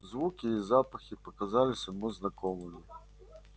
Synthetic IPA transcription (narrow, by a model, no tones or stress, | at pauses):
zvukʲiːzapɐxʲipɐkazalʲɪsʲɐmuznakɔmɨmʲi